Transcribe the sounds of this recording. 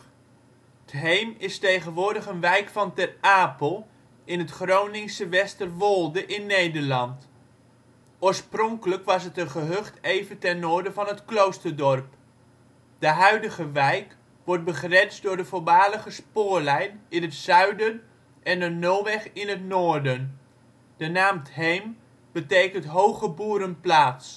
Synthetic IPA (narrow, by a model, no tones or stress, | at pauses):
ətɦejmɪstejχənʋʊːɹdəχənʋɛjkfɑntɛraːpəlˠ | ɪnɦətχrownɪŋsəʋɛstərʋolˠdəʔɪnːejdəɹlɑnt | ʊːɹsprɔŋkələkʋɑsɦətənχəɦøχtejvəntɛnːʊːɹdəvɑnɦətklowstəɹdɔɹp | dəɦœɥdəχəʋɛjk | ʋɔrt̚bəχrɛnsdʊːɹdəvʊlˠbaːləχəspʊːɹlɛjnɪnɦətsœɥdən | ʔɛndənowʋɛχɪnətnoːɹdən | d̥ənaːmtɦejm | b̥ətejkəntɦowχəbuːɾənplaːts